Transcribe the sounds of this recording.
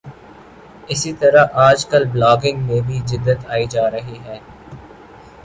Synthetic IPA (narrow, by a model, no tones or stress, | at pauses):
ɪsit̪ɐɾaʔaːd͡ʒkɐlblaːɡɪ̃ŋɡmẽbʱid͡ʒɪd̪ːət̪aːid͡ʒaːɾɐɦiɦɛː